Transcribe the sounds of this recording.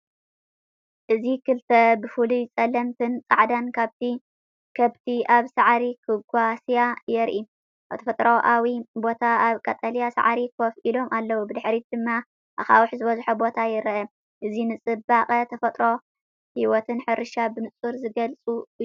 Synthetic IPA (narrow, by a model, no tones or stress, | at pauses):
ʔɨzikɨlt̪ʰɐbɨfulut͡sʼɐlɐmt̪ʰɨnt͡sʼa̰ʕd̪ankʰaβt̪ʰi | kʰɐβt̪ʰiaβsaʕɾikʰɨɡʷasijajɛɾʔi | at̪ʰɐfɐt̪ʼɾoʔawibo̞t̪ʰaaβkʼɐt̪ʼɐlijasa̰ʕɾikʰofʔilo̞mʔalːɐwubɨd̪ɨħɾid̪̥ɨmːa | ʔaxa̰wʊħzɨβɐzħubo̞t̪ʰajɪɾʔɐ | ʔɨzinɨt͡sʼɨbaχʼɐt̪ʰɐfɐt̪ʼɾo̞ | hiwɔt̪ʰɨnħɨɾɨʃabɨnɨt͡sʼuɾzɨɡɐlt͡sʼu